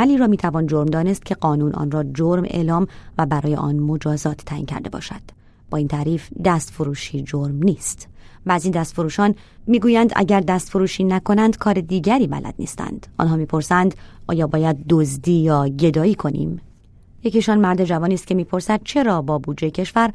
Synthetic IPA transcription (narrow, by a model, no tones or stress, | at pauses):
æliːɾɒːmiːt̪ʰævɒːnd͡ʒoɾmd̪ɒːne̞st̪̚cʰe̞ɡɒːnuːnʔɒ̰ːnrɒːd͡ʒoɾmḛʔlɒːmvæbæɾɒːje̞̰ʔɒ̰ːnmo̞d͡ʒɒːzɒːt̪ʰːæːʔḭncʰæ̰ɾd̪e̞bɒ̰ːʃæ̰d̪̥ | b̥ɒːiːnt̪ʰæɾiːfd̪æst̪foɾuːʃiːd͡ʒoɾmniːst̪væzind̪æst̪foɾuːʃɒːn | miːɡuːjænd̪ʔæ̰ɟæɾd̪æst̪foɾuːʃiːnækʰo̞nænd̪kʰɒːɾe̞d̪iːɟæɾiːbæ̰lʔæ̰d̪̚nḭːst̪æ̰nd̪̥ʔɒ̰nɦɒːmiːpʰo̞ɾsænd̪ʔɒ̰ːjɒːbɒːjæd̪̚ːozd̪iːjɒːɟe̞d̪ɒːiːkʰo̞nḭːm | jeciʃɒnmæɾd̪e̞d͡ʒævɒːniːst̪cʰʲe̞miːpʰo̞ɾsæd̪̚t͡ʃʰe̞ɾɒːbɒːbuːd̪d͡ʒejecʰe̞ʃvæɾ